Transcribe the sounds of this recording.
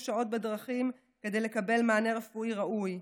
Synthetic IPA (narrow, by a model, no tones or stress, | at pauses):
ʃao̞t̚bedʁaχim | ke̞dejle̞kabe̞lmaːneʁefuʔiʁaʔuj